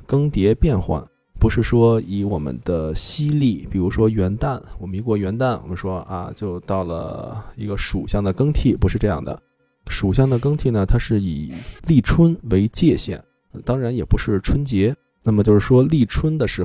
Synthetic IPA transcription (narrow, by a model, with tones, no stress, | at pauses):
kɤ˥ŋt̪jɛ˧˥pjɛ˥˧nxwa̰˥˩n | pu˧˥ʂɻ̩˥˩ʂwɔ˥i˧˥wɔ˨˩mə̰˦nd̪ə˧ɕi˥li˥˩pi˨˩ɻu˧˥ʂwɔ˥ɥɛ˧˥nt̪a˥˩nwɔ˨˩mə˦ni˧˥kwɔ˥˩ɥɛ˧˥nt̪a˥˩nwɔ̰˨˩mə˧˦nʂwɔ˥ʔa̰˧t͡ɕjo˥˧ʊt̪ɑ˥˩ʊlə̰˩i˧˥ɡə˧ʂu˨˩ɕjɑ˥˩ŋd̪ə˩kɤ˥ŋt̪ʰi˥˩pu˧˥ʂɻ̩˥˧ʈ͡ʂɤ˥˧jɑ̰˥˩ŋd̪ə̰˩ | ʂu˨˩ɕ̬jɑ˥˩ŋd̪ə˩kɤ˥ŋt̪ʰi˥˩nə˩t̪ʰa˥ʂɻ̩˥˩i˨˩˦li˥˩ʈ͡ʂʰwə˥nwe˧˥ɪt͡ɕjɛ˥˧ɕjɛ̰˥˩˦n˧ | t̪ɑ˥ŋɻa˧˥njɛ˨˩pu˧˥ʂɻ̩˥˩ʈ͡ʂʰwə˥nt͡ɕjɛ˧˥ | na˥˩mə˩t͡ɕjo˥˧ʊʂɻ̩˥˩ʂwɔ˥li˥˩ʈ͡ʂʰwə˥nd̪ə˨ʂɻ̩˧˥